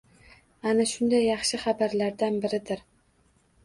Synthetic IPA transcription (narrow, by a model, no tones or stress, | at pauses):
anaʃʊnd̪ajːɑχʃɪχɑbaɾlaɾd̪anbɪɾɪd̪ɪɾ